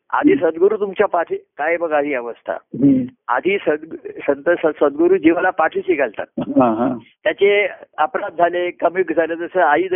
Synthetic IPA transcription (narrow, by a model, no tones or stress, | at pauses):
a̰d̪ʱiːsəd̪ɡuɾuːt̪umt͡ɕjapaʈʰikajbəɡaɦiːəʋəst̪ʰa̰ɦa̰d̪ʱiːsəd̪sənt̪əsəsəd̪ɡoɾuːd͡ʑiʋalapaʈʰiːsiɡəlt̪a̰t̪̚ɦɦãɦãt̪ːjat͡ɕeəpɾad̪̚d͡zʱalekəmjukd͡zʱaled͡z̪əsəaid̪